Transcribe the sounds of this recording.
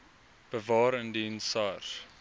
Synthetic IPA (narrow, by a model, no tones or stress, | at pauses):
b̥əvɑːɾəndinsɑr